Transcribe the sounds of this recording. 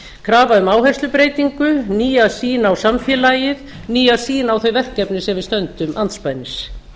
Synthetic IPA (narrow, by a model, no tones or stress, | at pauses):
kʰɾaːvaʏmaːwɦɛst̪ʏpɾeːjt̪iŋkʏniːasiːnawsamfjɛːlajɪð | niːasiːnawθœɥvɛr̥kːɛpnɪsɛmvɪðst̪œnt̪ʏmant̪spajnːɪs